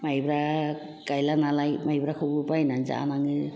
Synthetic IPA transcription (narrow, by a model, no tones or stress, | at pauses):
majbɾa | kajlanalajmajbɾakʰubɯpajnanza̰a̰naŋɯ